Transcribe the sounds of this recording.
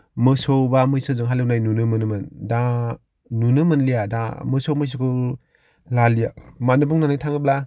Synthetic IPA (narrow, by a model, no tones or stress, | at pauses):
mɯsɔwbamɯjsɯzɯŋɦalɯw̚najnunɯmɯnɯmɯnda | nunɯmɯnlijada̰mɯsowmɯjs̬ɯkɯ | lalijamanɯbuŋnanajtʰaŋɯp̚la